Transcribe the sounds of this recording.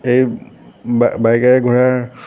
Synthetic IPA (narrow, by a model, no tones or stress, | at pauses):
ej | abajkaɛɡʱɔɹaɹ